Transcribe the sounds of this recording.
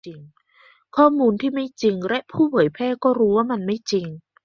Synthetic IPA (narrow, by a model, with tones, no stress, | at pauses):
i˧ŋ | kʰɔː˥˩muː˧nt̪ʰiː˥˩ma˥˩jt͡ɕi˧ŋlɛ˦˥ʔpʰuː˥˩pʰɤː˩˦jpʰɛː˥˩kɔː˥˩ɾuː˦˥waː˥˩ma˧nma˥˩jt͡ɕi˧ŋ